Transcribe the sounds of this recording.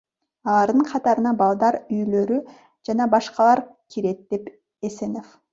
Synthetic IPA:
ɑlˠɑɾd̪ɯɴqʰɑt̪ɑɾɯnɑbɑlˠd̪ɑɾyjlø̞ɾy | d͡ʒɑnɑbɑʃqɑlˠɑɾkʰiɾe̞t̪̚d̪e̞p | esenof

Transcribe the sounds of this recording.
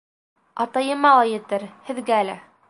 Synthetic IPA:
ɑt̪ɑjɤ̆mɑlˠɑjɘ̆t̪ɘɾhɘ̆ðɡæælæ

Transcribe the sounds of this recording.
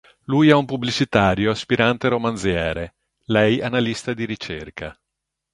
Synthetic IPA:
lujɛumpubːlit͡ʃit̪aːɾjoaspiɾant̪eɾomanzjɛːɾe | lɛjanalist̪ad̪iɾit͡ʃerka

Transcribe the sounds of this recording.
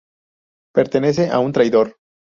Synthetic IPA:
pe̞ɾt̪e̞ne̞s̬e̞ʔaunt̪ɾajðo̞ɾ

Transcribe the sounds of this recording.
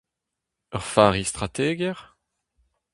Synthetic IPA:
œʁfaːʁist̪ʁat̪eːɡɛʁ

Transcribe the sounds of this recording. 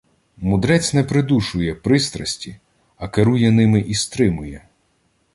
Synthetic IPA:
mʊd̪ɾɛt͡sʲnɛpɾɪd̪uʃʊjɛpɾɪst̪ɾɐsʲtʲi | ɐkeɾujɛnɪmɪʔist̪ɾɪmʊjɛ

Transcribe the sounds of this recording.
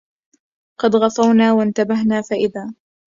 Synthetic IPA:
qɑd̪ɣɑfˤɑwnaːwant̪abaɦnaːfaʔɪðaː

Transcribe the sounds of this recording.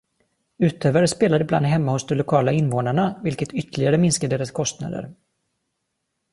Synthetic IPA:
ʉ̟ːt̪ʰøːvaɾəspeːlad̪əbla̰nd̪ɦɛmːahʊsd̪ɔmlʊkʰɑːlaɪnvoːnaɳavɪlkət̪ʰʏt̪ʰːəlɪɡaɾəmɪnskad̪eːɾaskʰɔst̪na̰d̪ə̰ɾ

